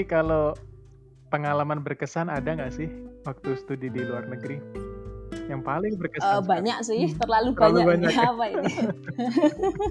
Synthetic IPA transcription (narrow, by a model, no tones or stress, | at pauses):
kalo | pəŋalamanbərkəsanadaŋɡaʔsɪhwak̚t̪usə̥t̪udidiluarnəɡɾi | jaŋpalɪŋbərkəaəbaɲaksɪht̪ərlalubaaluabaɲakapai